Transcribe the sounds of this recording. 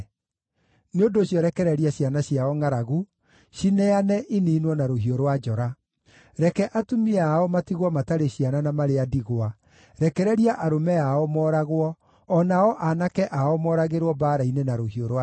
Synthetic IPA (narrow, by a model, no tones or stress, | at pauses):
neondoːɕjɔɾɛkɛɾɛɾiaɕianaɕjaɔŋaɾaɣu | ʃinɛanɛʔiniːnwɔnaɾoɦioɾwad͡ʒɔɾa | ɾɛkɛʔatumiaɔmatiɣwɔmataɾeɕiananamaɾeadiɣoa | ɾɛkɛɾɛɾiaʔaɾomɛaɔmɔːɾaɣwɔː | naɔʔanakɛʔaɔmɔɾaɣeɾwɔbaːɾainenaɾohioɾwa